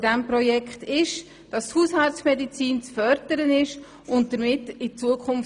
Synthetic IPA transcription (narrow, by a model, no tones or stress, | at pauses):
dɛmpɾɔjɛkχtɪʃ | d̥ɑshuːshɑltt͡smɛdit͡siːnt͡sfœɾd̥əɾənɪʃ | ʊnt̚d̥əɾmɪtːɪt͡suəkʰʊnf